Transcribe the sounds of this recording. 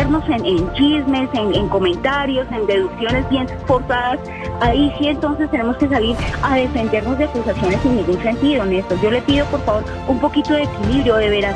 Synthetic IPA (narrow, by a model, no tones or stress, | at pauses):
eɾno̞senent͡ʃizme̞seneŋko̞mẽ̞nt̪aɾjo̞se̞nd̪e̞ðuksjo̞ne̞zbje̞n | fo̞ɾsaðas | aisie̞nt̪o̞nsest̪e̞ne̞mo̞ske̞s̬aliɾaðe̞fe̞nd̪e̞ɾno̞zd̪eakusasjo̞ne̞senːiŋɡunse̞nt̪iðoone̞st̪asd͡ʒo̞le̞piðo̞po̞ɾfaβo̞ɾ | umpo̞kit̪o̞ðeekiliβɾjoðe̞βeɾa